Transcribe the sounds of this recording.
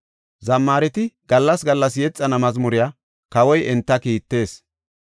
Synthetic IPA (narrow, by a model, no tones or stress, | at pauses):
zɐmːaːɾɛt̪ɪɡ̥ɐlːɐsɡɐlːɐsjɛt͡sʼːɐnɐmɐzmʊɾɪjaː | kɐwɔjʔɛnt̪ːɐkiːt̪ːe̞ːs